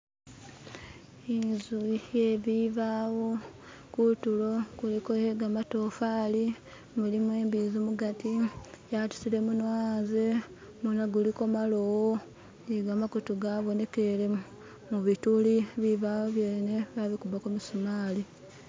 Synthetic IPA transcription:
inzujeβiβaːwo̞ | kutulo̞ɡ̥ulikoheɡamatofali | mulimwe̞ːmbizimuɡatijatu̥sile̞munwaːnze | munaɡuliko̞malowo | iɡamakotuɡaːβo̞ne̞ke̞le | muβituliβiβawoβjeːne̞βaβikuβakumusumaːli

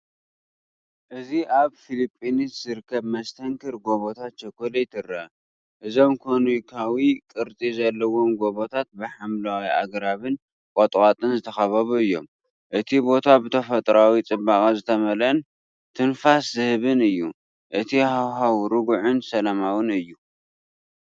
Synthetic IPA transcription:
ʔɨziʔaβfilipʼːiniszɨɾɨkʰːɐβmɐst̪ʰɐŋkʰɨɾɡo̞βot̪ʰat̪t͡ʃɐkːolɐjt̪ʰɨrːɐ | ʔɨzomkʰonikʰawikʼɨɾt͡sʼizɐlːɐwo̞mɡo̞βo̞t̪ʰat̪̚bɨħamlawia̰ɡɾaβɨn | kʼot̪ʼkʼat̪ʼɨnzɨt̪ʰɐxɐβɐβuɨjːo̞m | ʔɨt̪ʰibo̞t̪ʰabɨt̪ʰɐfɐt̪ʼɾawit͡sʼɨbːakʼɐzɨt̪ʰɐmɐlɐn | t̪ʰɨnfaszɨhɨβɨnɨjːu | ʔɨt̪ʰihawɦawɾɨɡuʕʊnsɐlɐmawɨnɨjːu

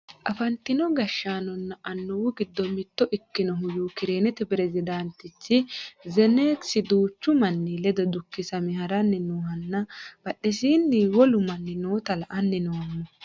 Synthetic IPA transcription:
ʔɐfɐnt̪ːɪnɔɡɐʃːaːnɔnːɐʔɐnːɔwʊɡɪd̪ːɔmɪt̪ːɔʔɪkːɪnɔɦʊjuːkɪɾeːnɛt̪ɛpɪɾɛzɪd̪ɐnt̪ɪt͡ʃːɪzɛneːksɪd̪uːt͡ʃːʊmɐnːilɛd̪ɔd̪ʊkːɪsɐmɪhɐɾɐnːɪnuːhɐnːɐb̥ɐɗːɛsiːnːiwɔlʊmɐnːɪnoːt̪ɐlɐʔɐnːɪnɔwɐmːɔ

